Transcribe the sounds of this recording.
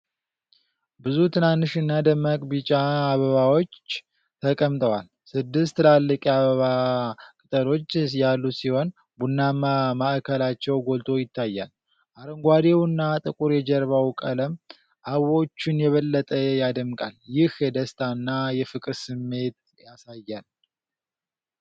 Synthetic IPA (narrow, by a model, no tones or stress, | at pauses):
bɨzut̪ʰɨnanːɨʃɨnːad̪əmːakʼbit͡ʃʼaːβəβawo̞t͡ʃː | t̪ʰəkʼəmt̪ʰʼəwal | sɨd̪ːɨst̪lalːəkʼjaβəβakʼɨt̪ʼəɾo̞t͡ʃːjalːusiho̞n | bunːamamaʔkʰəlat͡ʃːɛwɡo̞lt̪ʰʼo̞jɪt̪ʰːajːal | ʔaɾəŋɡʷad̪ewɨnːat̪ʼɨkʼuɾjɛd͡ʒɛɾβawkʼələm | ʔaβo̞t͡ʃːɪnjɛβəlːət̪ʼəjad̪əmkʼaljɪhjɛd̪əst̪ʰanːajɛfɨkʼɾsɨmːe̞t̪̚ | jasajːal